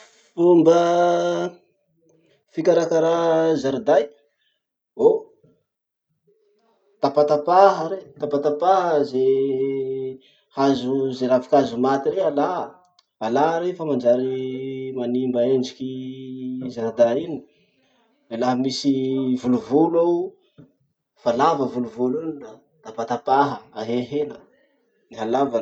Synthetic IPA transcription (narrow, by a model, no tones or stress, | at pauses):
umbə | fikaɾakaɾazaɾid̪aj | o | t̪apat̪apaɦəɾet̪apat̪apaɦəze | hazuzeɾavi̥kazumat̪iɾeala | alaɾefəmand͡ʒaɾimanimbaend͡ʒiki | zaɾad̪ain | elaɦəmisivuluvula | falavəvuluvulunna | t̪apat̪apaɦəaɦeɦenə | niɦalavan